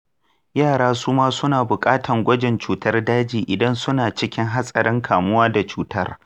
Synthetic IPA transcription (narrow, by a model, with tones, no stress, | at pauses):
jaː˦˨ɽaː˦suː˦maː˦sʊ˦naː˨bʊ˨kʼaː˦tʰɐ˨ŋɡʷɐ˦d͡ʒɛ˨nt͡ʃuː˨˦tɐ˦rdaː˦d͡ʒiː˨ʔɪ˨dɐ˦nsʊ˦naː˨t͡ʃɪ˦kʲɪ˦ŋɦa˦sʼɐ˨ɽɪ˦ŋkʰaː˨mʊ˦waː˦da˨t͡ʃuː˦tɐ˦r